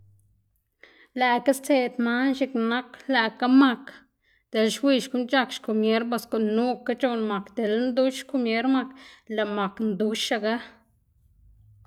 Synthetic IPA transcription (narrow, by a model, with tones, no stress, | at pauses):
læ˨ka˦st͡se˧d̪ma˦nʃi˧kna˦kla˧˨ka˦ma˧k | d̪̥e˨lʃwi˧ʃku˦nt͡ʃa˧kʃku˨mje˦ɾba˧sko˨ʔnːu˦ka˦t͡ʃo˧nma˨kd̪e˨lnd̪u˦ʃku˧mje˦ɾma˧kla˨ma˨knd̪u˦ʃa˧ɡa˦